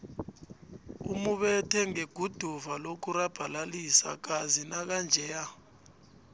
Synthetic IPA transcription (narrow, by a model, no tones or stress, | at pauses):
ṵmuɓɛtʰɛŋeɡ̥ʱud̥ʱuvalok̬uɾab̥ʱalalisa̰k̬azinak̬and͡ʒʱɛja